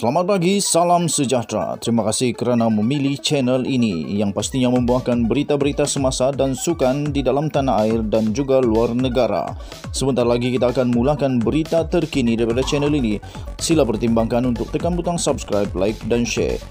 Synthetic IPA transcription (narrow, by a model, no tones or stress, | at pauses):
səlamat̪̚paɡisalamsəd͡ʒat̪ɾa̰t̪əɾimakasɪhkəɾanaməmiliht͡ʃɛnɛlinijaŋpast̪iɲaməmbuahkanbəɾit̪abəɾit̪asəmasadansukandidalamt̪anaʔaɪrdand͡ʒuɡaluarnəɡaɾa̰ | səmənt̪aɾalaɡikit̪aːkanmulakanbəɾit̪at̪ərkinidaɾipadat͡ʃɛnɛlini | silapərt̪imbaŋkanunt̪ʊk̚t̪əkanbut̪aŋsapskɾajp̚la̰jk̚danʃɛ̰